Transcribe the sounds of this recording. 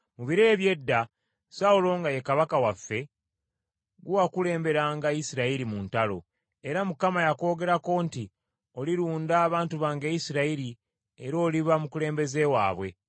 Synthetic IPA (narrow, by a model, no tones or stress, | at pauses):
muβiɾe̞ːβje̞dːa | saulo̞ŋɡaje̞kaβakawafːe̞ | ɡuwakule̞ːmbe̞ɾaːŋɡaisiɾaiɾimuntalo̞̰ | e̞ɾamukamajako̞ːɡe̞ɾako̞nti | o̞liɾuːndaːβaːntuβaːŋɡejisiɾaiɾi | e̞ɾo̞ːliβamukule̞ːmbe̞ze̞wa̰ːβwe̞̰